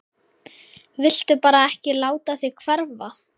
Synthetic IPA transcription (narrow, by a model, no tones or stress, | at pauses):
vɪl̥t̪ʏpaːɾaɛhcɪlaːwt̪aθɪkʰvɛɾva